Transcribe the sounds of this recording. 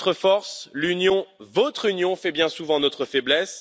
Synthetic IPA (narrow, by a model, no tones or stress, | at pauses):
t̪χəfɔʁslynjɔ̃vɔt̪χynjɔ̃fɛbjɛ̃suvɑ̃nɔt̪χəfɛblɛs